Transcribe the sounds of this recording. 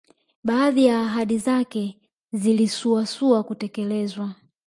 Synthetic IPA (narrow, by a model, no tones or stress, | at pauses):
ɓaːðijaːɦaɗizakɛ | zilisuasuakutɛkɛlɛzwa